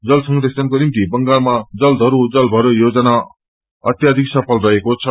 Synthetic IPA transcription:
d͡zʌlsʌŋɡɾesʌnkonimt̪ibʌŋɡalmad͡zʌld̪ʱʌɾud͡zʌlbʱʌɾojod͡zʌna | ʌt̪jad̪ʱiksʌpʰʌlrʌɦekot͡sʰʌ

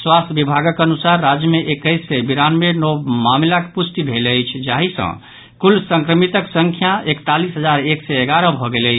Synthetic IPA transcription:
swast̪ʰbibʱaɡəkənusaɾːad͡ʒjəmeʔekəɪsebiɾanmenɔmamlakpusʈ̪ibʱeləjt͡ʃʰd͡ʒaɦisə̰̃ | kulsə̃ŋkɾəmit̪əksəŋkʰjaʔekt̪alisɦəd͡ʒaɾeksɛeɡaɾəbʱɔɡeləɪt͡ʃʰ

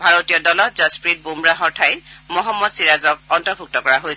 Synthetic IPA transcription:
bʱaɹotijɔdɔlɔtzɔspɹit̚bumɹaɦɔɹtʰajmɔɦɔmːɔtsiɹazɔk̚ɔntɔɹbʱuk̚tɔkɔɹaɦojsɛ

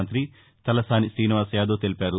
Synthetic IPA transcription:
nt̪ɾi | t̪ɐlɐsaːnisiːniʋaːsjaːd̪oːt̪e̞lipaːɾu

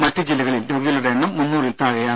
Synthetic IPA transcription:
mɐtːud͡ʑilːɐɣɐɭildoːɡɐðɐlɐɽeːɳːɐmːunːuːrilt̪aːɻɐjaː

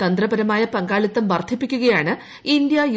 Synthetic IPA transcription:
t̪ɐnd̪rɐbɐɾɐmaːjɐpɐŋɡaːɭit̪ːɐmʋɐrt̪ʰipːikʲːuɣɐjaːɳɨ | ind̪jɐj

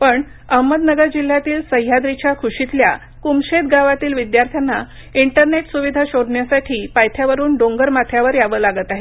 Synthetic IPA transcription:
pəɳ | əɦməd̪nəɡəɾd͡ʑil̤ːjat̪iːlsəjjad̪ɾit͡ɕjakʰuɕit̪lja̰ | kumɕed̪ɡaʋat̪iːlʋid̪jaɾt̪ʰjanːa | iɳʈəɾneʈsuʋid̪ʱaɕoɽɳjasaʈʰiːpajt̪ʰjaʋəɾuːnɖoŋɡəɾmat̪ʰjaʋəɾjaʋəːlaɡət̪aɦe

